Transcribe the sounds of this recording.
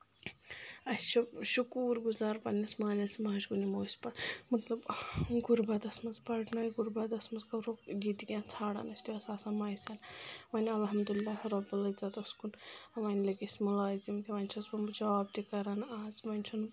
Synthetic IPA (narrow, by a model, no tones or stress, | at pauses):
ɐst͡ʃʰibʃukuːɾɡuzaːɾpɐnʲɐsmaːlʲɐsmaːt͡ʃɡunimoːsʲpɐmɐt̪lɐbɡuɾbɐt̪ɐsmɐzpɐʈnajɡuɾbɐt̪ɐsmɐzkɐɾokɡit̪iɡʲãːnt͡sʰaːɽa̰nɐsʲt̪iɐsaːsamaːjsʲalmɐnʲɐlɦɐmd̪ulilːahɐɾɐbulɐt͡sat̪ɐskunɐʋɐnʲlɐɡismulaːzimt̪iʋɐnʲt͡ʃʰɐzbɐmbd͡ʒɐʋaːb̚t̪ikɐɾanaːzmɐnʲt͡ʃʰun